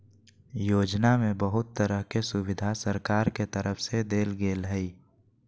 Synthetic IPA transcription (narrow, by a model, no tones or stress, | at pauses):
joːd͡ʒnamẽbəɦʊt̪ːəɾəɦkesʊbɪd̪ʱasəɾkaːɾket̪əɾəfʰsed̪eːlɡeːlɦɛi